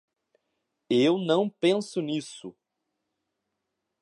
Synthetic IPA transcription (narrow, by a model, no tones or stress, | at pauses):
ewnɐ̃w̃pẽsʊnisʊ